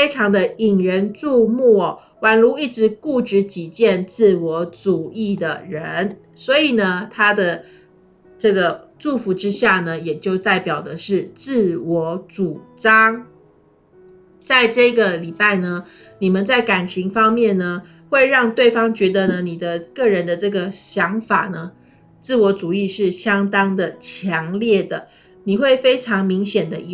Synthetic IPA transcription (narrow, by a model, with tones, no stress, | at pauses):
fe˥ɪʈ͡ʂʰɑ˧˥ŋd̪ə˧i˨˩ŋɻə˧˥nʈ͡ʂu˥˧mu˥˩˨ | wa˨˥nlu˧˥i˥˩ʈ͡ʂɻ̩˧˥ku˥˩ʈ͡ʂɻ̩˧˥t͡ɕi˨˩t͡ɕjɛ˥˧nt͡sɹ̩˥˩wɔ˧˥ʈ͡ʂu˨˩i˥˩d̪ə˩ɻə˧˦n | swɔ˧˥i˨˩nə˦t̪ʰa˥d̪ə˨ | ʈ͡ʂɤ˥˩ɡə˩ʈ͡ʂu˥˩fu˧˥ʈ͡ʂɻ̩˥ɕja˥˩nə˩jɛ˨˩t͡ɕjo˥˧ʊt̪a˥˩ɪpjɑ˨˩ʊd̪ə˦ʂɻ̩˥˩t͡sɹ̩˥˩wɔ˧˥ʈ͡ʂu˨˩ʈ͡ʂɑ˥ŋ | t͡sa˥˧ɪʈ͡ʂɤ˥˩ɡə˩li˨˩pa˥˩ɪnə˩ | ni˨˩mə˦nt͡sa˥˩ɪka˨˩nt͡ɕʰi˧˥ŋfɑ˥ŋmjɛ˥˩nnə˩ | xwe˥˧ɪɻɑ˥˧ŋt̪we˥˩ɪfɑ˥ŋt͡ɕɥɛ˧˥d̪ə˧nə˨ni˨˩d̪ə˦kɤ˥˩ɻə˧˦˥nd̪ə˧ʈ͡ʂɤ˥˩ɡə˩ɕjɑ˧˥ŋfa̰˨˩nə˦ | t͡sɹ̩˥˩wɔ˧˥t͡su˨˩i˥˧ʂɻ̩˥˩ɕjɑ˥ŋt̪ɑ˥ŋd̪ə˨t͡ɕʰjɑ˧˥ŋljɛ˥˩d̪ə˩ | ni˨˩xwe˥˩ɪfe˥ɪʈ͡ʂʰɑ˧˥ŋmi˧˥ŋɕjɛ˨˩nd̪ə˦˧